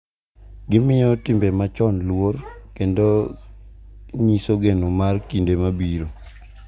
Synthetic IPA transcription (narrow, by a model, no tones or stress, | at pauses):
ɡɪmɪjɔtɪmbemat͡ʃɔnlworkendo | ɲisoɡenomarkindemabiɾo